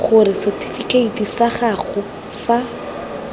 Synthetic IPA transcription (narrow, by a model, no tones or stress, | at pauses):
χʊɾɪsɛtʰifikeitisaχaχʊ | sa